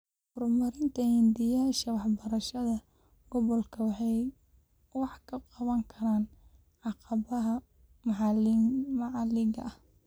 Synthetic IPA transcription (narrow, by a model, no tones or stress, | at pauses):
hʊrmɐɾɪnt̪ʰɐhɪnd̪ɪjaʃɐwɑħbɐɾɐʃɐðɐ | ɡ̥ɔβɔlkʰɐwɑħɑj | wɑħkʰɐqɑβɐŋkʰɐɾaːn | ʕɑqɑβɐɦɐ | mʕɑmɑʕɑlɪɣɐɐh